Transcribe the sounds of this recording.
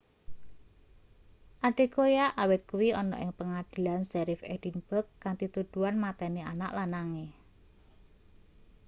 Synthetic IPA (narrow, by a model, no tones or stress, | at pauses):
ʔaɖ̥e̤kojaʔawɪt̪̚kuwiɔnɔ̰ʔɪ̰ŋpəŋad̪̥i̤lansɛɾifed̥inb̥əkːaŋt̪it̪ud̪̥uanmat̪ɛneanaʔlanaŋe